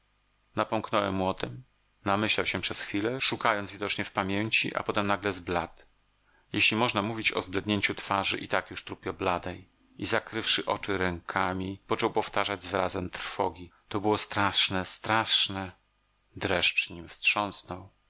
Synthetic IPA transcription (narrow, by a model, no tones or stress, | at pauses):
napɔŋknɔwɛmːwɔt̪ɛm | namɘɕlawɕɛpʂɛsxfʲilɛʂukajɔnzvʲid̪ɔt͡ʂɲɛfpamʲjeɲt͡ɕḭʔa̰pɔt̪ɛmnaɡlɛzblat̪ | jeɕlʲimɔʐnamuvʲit͡ɕɔ̰zblɛd̪ɲeɲt͡ɕut̪faʐɘ̰ʔit̪akjuʂt̪ɾupʲjɔblad̪ɛj | ʔizakɾɘfʂɘʔɔ̰t͡ʂɘɾɛŋkʰamʲipɔt͡ʂɔwpɔft̪aʐad͡ʑzɾazɛmt̪ɾ̥fɔɡʲit̪ɔbɘwɔst̪ɾaʂnɛst̪ɾaʂnɛ | d̪ɾɛʂt͡ʂɲimfstʂɔ̃ñsnɔw